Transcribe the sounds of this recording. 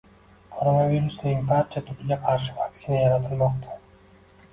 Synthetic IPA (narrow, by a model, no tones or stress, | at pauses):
kʰoɾonavʲiɾust̪uimfat͡ʃat̪ʰykylʲeqʰɑɾʃ̬ɯ̥vakt̪sinajɑɾɑt̪ɯlˠmoqt̪ʰɑ̥